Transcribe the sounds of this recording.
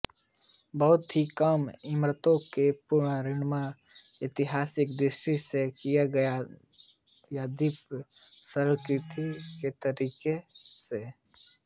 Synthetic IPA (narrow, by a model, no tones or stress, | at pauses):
bəɦʊt̪ɦikamɪmɾət̪õkepʊɾɳaɾɪnmaɪt̪ɪɦaːsɪkd̪ɾɪʃʈisekijaɡɐja | jad̪ɪpsəɾkɾɪt̪ʰiket̪əɾiːkese